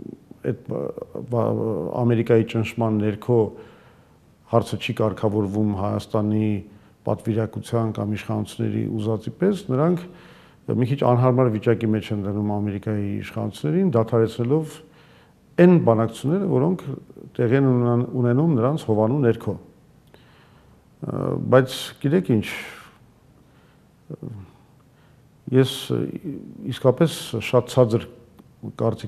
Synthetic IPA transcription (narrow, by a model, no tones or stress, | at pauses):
ɛ̰t̪̚ | ɑ̰mɛɾikɑjit͡ʃənʃʰmɑnːɛɾkʰɔ | hɑɾt͡sʰət͡ʃʰikɑɾkʰɑvɔɾvumhɑjɑ̰st̪ɑni | pɑ̰t̪viɾɑkut͡sʰjɑnkɑmiʃχɑnut͡sʰunːɛ̰ɾḭʔuzɑt͡sipɛsnəɾɑŋkʰ | mikʰit͡ʃʰɑ̰nɦɑɾmɑɾvit͡ʃɑkimɛt͡ʃʰɛnd̪ənumɑmɛɾikɑjiḭʃχɑ̰nut͡sʰunːɛɾind̪ɑt̪ʰɑɾɛt͡sʰnɛlɔv | ɛnbɑnɑkʰu̥t͡sʰunːɛɾəvɔɾɔŋkʰt̪ɛʁiɛnunɛnumnəɾɑnt͡sʰhɔvɑnunɛɾkʰɔ | bɑjt͡sʰɡ̥it̪ɛkʰint͡ʃʰ | jɛs | iskɑpɛsʃɑt̪̚t͡sʰɑd͡zəɾ | kɑɾt͡si